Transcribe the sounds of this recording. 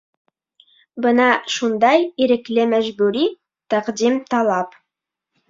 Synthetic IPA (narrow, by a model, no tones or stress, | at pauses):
bənɑʃund̪ɑjiɾɪklɪmæʒbʉɾi | t̪ʰæqd̪imt̪ʰɑlˠɑp